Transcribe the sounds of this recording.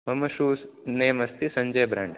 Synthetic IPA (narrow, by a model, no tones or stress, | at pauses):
mɐmɐʃuːsneːmɐst̪isɐɲd͡ʒɐjbɾa̰ːɳɖ